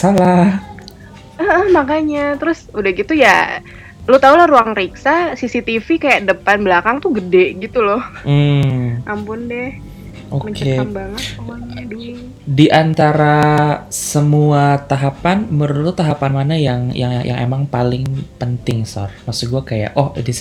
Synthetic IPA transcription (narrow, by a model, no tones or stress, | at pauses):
sala | əəhmakaɲat̪əɾʊsudahɡit̪uja̰ | lot̪aulahruaŋriksasisit̪ifikajaʔdəpanblakaŋt̪uɡədɛʔɡit̪ulɔhm̩ʔampʊndɛh | ʔoməɲkəeaŋbaŋət̪̚aɲadu | diʔant̪aɾasəmuat̪aɦapanməɾulʊt̪ːaɦapanmanajaŋja̰ŋja̰ŋḛmaŋpalɪŋpənt̪ɪŋsɔ̰rmasuɡuakaja̰ʔɔhdis